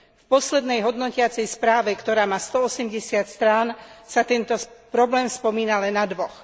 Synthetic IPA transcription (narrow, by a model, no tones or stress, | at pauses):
fpɔslɛd̪nɛjɦɔd̪nɔcɪat͡sɛjspɾaːʋɛkt̪ɔɾaːmaːst̪ɔɔsɛmɟɛsɪat̪st̪ɾansat̪ɛnt̪ɔpɾɔblɛːmspɔmiːnalɛnːad̪ʋɔx